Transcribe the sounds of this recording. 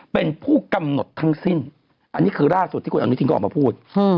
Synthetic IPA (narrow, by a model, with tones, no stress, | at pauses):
pe˧npʰuː˥˩ka˧mno˨˩t̪ʰːa˦˥ŋsi˥˩n | ʔa˧nːiː˦˥kʰɯː˧laː˥˩su˨˩t̪ʰiː˥˩˧ʔa̰˧niː˦˥i˧kːma˧pʰuː˥˩t̪̚